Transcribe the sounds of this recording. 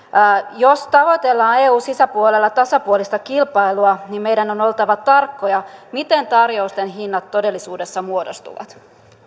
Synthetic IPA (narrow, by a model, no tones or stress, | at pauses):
jost̪ɑʋo̞t̪e̞lːɑːneːuːsisæpuolelːɑt̪ɑsɑpuolist̪ɑkilpɑiluɑnimmejdæno̞no̞lt̪ɑʋɑt̪ɑrkːojɑmit̪ent̪ɑrjoust̪enɦinːɑt̪ːo̞de̞lːisuːde̞sːɑmuodost̪ṵʋɑ̰t̪